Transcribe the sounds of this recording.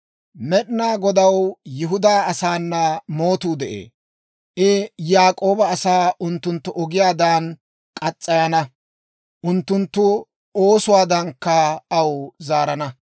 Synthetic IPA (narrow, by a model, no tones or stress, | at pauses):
mɛɗɪnaːɡɔd̪ɐwjɪɦʊd̪aːɐsaːnːɐmo̞ːt̪uːd̪ɛʔḛː | ʔɪjaːkʼo̞ːbɐːsaːʊnt̪ːʊnt̪ːʊʔɔɡɪjaːd̪aːn | kʼɐt͡sʼːɐjɐnɐ | ʔʊnt̪ːʊnt̪ːʊ | o̞ːsʊwaːd̪ɐŋkːɐɐwzaːɾɐnɐ